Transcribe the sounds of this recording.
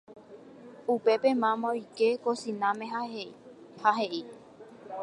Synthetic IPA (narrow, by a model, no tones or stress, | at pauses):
upe̞pemãmõikekosĩnãmẽ̞ɦa | haɦe̞ʔi